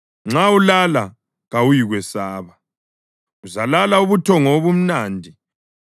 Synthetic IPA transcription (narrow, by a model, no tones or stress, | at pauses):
ŋ͡ǁaulala | ɣaujiɣwɛsaːβa | uzalalauβutʰɔŋoβum̩naːndʱi